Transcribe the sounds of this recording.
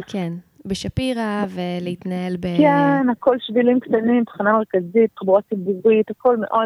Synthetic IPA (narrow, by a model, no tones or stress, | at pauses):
kʰenbeʃapiʁaveleit̪nae̞lbekenako̞lʃvilimkt̪animt̪ḁχaname̞ʁkazit̪ːχbuʁat͡sibuʁit̪ako̞lmḛʔo̞